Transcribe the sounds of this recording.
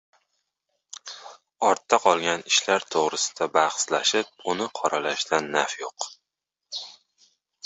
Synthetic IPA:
ɒɾt̪ʰːaqʰɒlˠɡʲanɪʃlaɾt̪ʰoʁɾɪsɪ̥d̪abaχslaʃɪp̚ʊnɪqʰɒɾalaʃd̪anːafjoq

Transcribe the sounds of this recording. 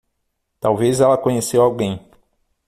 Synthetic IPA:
t̪awvezɛlɐkõɲesewawɡẽj̃

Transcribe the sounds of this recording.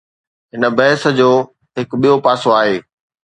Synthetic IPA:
ɦɪnə̆bɐɦɪsə̆d͡ʑoː | ɦɪkɓijopaːsoaːɦeː

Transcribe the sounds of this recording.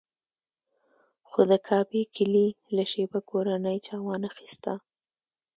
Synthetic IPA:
xod̪əkʰɑbikʰɪlilaʃebakoɾanəjt͡ʃɑwɑnaxi̥st̪a

